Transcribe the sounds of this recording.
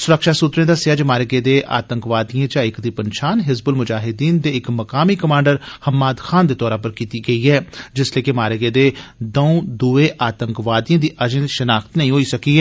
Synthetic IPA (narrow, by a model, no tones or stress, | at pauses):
sʊɾəkʃaːsut̪ɾẽːd̪aːsɪəd͡ʒmaːɾɪɡẽd̪eːʔa̰ːt̪ə̃ŋkʋaːd̪ijãd͡ʒãːɪkd̪iːpənʃaːnɦɪzbəlmʊd͡ʒaːɦɪd̪iːnd̪eɪkmɐkaːmiːkəmaːɳɖəɾhəmːaːd̪xʰaːnd̪eːt̪ɔːɾãp̬əɾkiːt̪iːɡɐiːɦɛːd͡ʒɪsleːkɪmaːɾɪɡẽd̪eːd̪əũd̪ueʔaːt̪əŋkʋaːd̪ijãːd̪iːʔɐd͡ʒẽʃənaːxt̪nəɦĩːɦoːiːsɐkiːɦɛː